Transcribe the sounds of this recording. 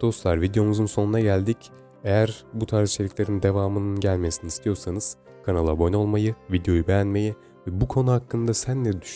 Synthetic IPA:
d̪̥o̞st̪lˠaɾvid̪ejo̞muzunso̞nunaɟælʲd̪ic | e̞jæɾbut̪ʰaɾzit͡ʃʰelʲicʰʲlʲe̞ɾind̪e̞vaːmɯnɯnɟælʲmesinist̪ʰijo̞ɾsanɯz̥ | kʰanalˠabono̞lˠmajɯvid̪eo̞jubejænme̞ji | vɛbukʰo̞nuhakːɯnd̪asænlʲɛd̪y

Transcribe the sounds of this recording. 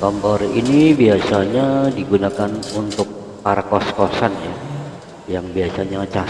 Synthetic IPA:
kɔmpɔrinibiasaɲadiɡunakanunt̪ʊk̚ | paɾakɔskɔsanja | jaŋbiasaɲat͡ʃa

